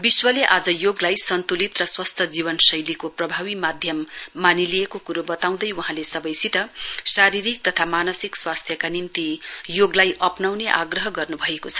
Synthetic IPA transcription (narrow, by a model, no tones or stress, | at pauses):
biswʌleʔad͡zʌjoɡlajsʌnt̪ulit̪rʌswʌst̪ʰʌd͡ziβʌnsʌjlikoprʌbʱawimad̪ʱjʌmːanilijekokuɾobʌt̪aw̃d̪ʌjwuɦãlesʌbʌjsit̪ʌsaɾiɾik̚t̪ʌt̪ʰamanʌsikswast̪ʰjʌkanimt̪ijoɡlajʔʌpnawneʔa̰ɡrʌɦʌɡʌrnubʱʌekot͡sʰʌ̥